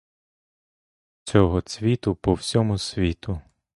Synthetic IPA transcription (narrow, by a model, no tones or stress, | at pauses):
t͡sʲɔɦɔt͡sʲʋʲit̪ʊpɔwsʲɔmʊsʲʋʲit̪ʊ